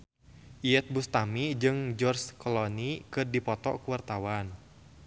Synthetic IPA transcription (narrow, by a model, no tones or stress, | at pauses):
ʔiɛt̪̚bust̪amid͡ʒɨŋd͡ʒɔrskɔlɔnikɨrdipɔt̪ɔ̰kuwart̪awan